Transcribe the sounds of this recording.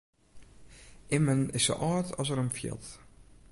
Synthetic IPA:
ʔɪmənɪsːo̰ʔɑːtɔsəɾəmfjɪ̰lˠt

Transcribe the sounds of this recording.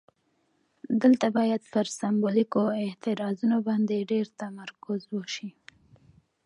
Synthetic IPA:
d̪əlt̪abɑjad̪pəɾsambolikoɪt̪ɪɾɑzunobɑnd̪eɖeɾt̪amaɾkʊzwəʃi

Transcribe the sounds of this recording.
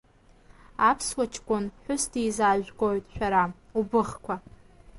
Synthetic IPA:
apʰswat͡ʃʰkʷʼʊnħʷᶣʊsdijzaːʒɡojtʼʃᶣaɾa | ubɨχkʷʰa

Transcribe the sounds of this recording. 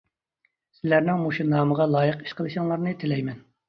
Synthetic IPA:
sɪlæɾnɪŋmoʃunɑːməʁɑlˠɑːjəqi̥ʃqəlˠɨʃɨŋlˠɑɾnɨt̪ʰɪlɛjmɛn

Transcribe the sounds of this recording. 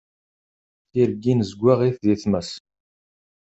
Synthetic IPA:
θiɾɡːinzɡʷːaʁiθðiθməs

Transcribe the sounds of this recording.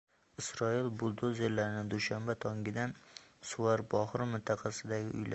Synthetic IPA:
ɪsɾɒilˠbʊlˠd̪ozelːaɾɪnɪd̪ʊʃambat̪ʰɒŋɡʲɪd̪ansʊwaɾbɒhɾɪmɪnt̪ʰɑqʰɑsɪd̪aɡʲɪʔʊ̰jlʔa̰

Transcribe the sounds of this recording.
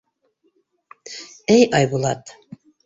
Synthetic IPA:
æjʔɑjbulˠɑt̪

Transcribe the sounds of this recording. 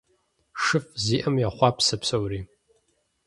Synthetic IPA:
ʂɨfziːʔɐmjaχʷɑːpʰsɐpsɐwriː

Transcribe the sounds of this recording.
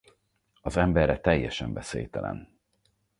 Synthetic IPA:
ɒzɛmbɛrːɛt̪ɛjːɛʃɛɱbɛseːjt̪ɛlɛ̰n

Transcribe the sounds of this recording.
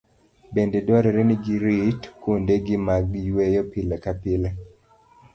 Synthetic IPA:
bendedwɔɾɛɾɛniɡiɾitkwondeɡɪmaɡjwejɔpɪlɛkapɪlɛ

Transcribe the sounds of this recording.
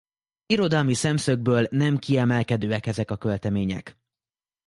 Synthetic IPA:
iɾo̞d̪ɒːmisɛmsø̞ɡ̚bøːlnɛmkiɛmɛlkɛd̪øːɛkɛzɛkɒkø̞lt̪ɛmeːɲɛ̰k

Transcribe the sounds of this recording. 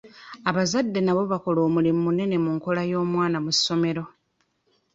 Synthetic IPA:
aβazadːe̞naβo̞βako̞lo̞ːmulimmune̞ne̞muŋko̞lajo̞ːmwaːnamusːo̞me̞ɾo̞

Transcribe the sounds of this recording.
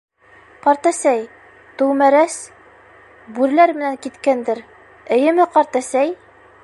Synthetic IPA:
qɑɾt̪æsæj | t̪ɵwmæɾæs | bʉɾlæɾmɘ̆næŋkit̪kænd̪ɘɾ | ɘ̆jɘ̆mɘqɑɾt̪æsæj

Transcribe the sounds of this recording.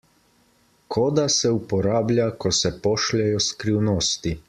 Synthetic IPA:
kʰɔːd̪asɛupɔɾaːblʲjakɔsɛpɔːʃlɛjɔskɾiwnoːst̪i

